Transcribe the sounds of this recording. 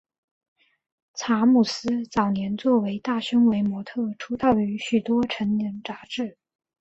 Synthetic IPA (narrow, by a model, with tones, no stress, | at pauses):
t͡sʰa˧˥mu˨˩sɹ̩˥t͡sɑ˨˩ʊnjɛ˧˥nt͡swɔ˥˩we˧˥ɪt̪a˥˩ɕʊ˥ŋwe˧˥ɪmwɔ˧˥t̪ʰɤ˥˩ʈ͡ʂʰu˧˥t̪ɑ˥˩ʊy˧˥ɕy˨˩t̪wɔ˥ʈ͡ʂʰə˧˥ŋɛ˧˥ŋʈ͡ʂa˧˥ʈ͡ʂɻ̩˥˩